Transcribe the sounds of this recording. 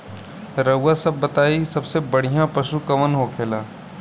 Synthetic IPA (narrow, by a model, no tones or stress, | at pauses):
ɾɐɦʊːasɐbːɐt̪aːisɐbsebɐɽ̤ijãpəʃukɐmənɦokʰeːlaː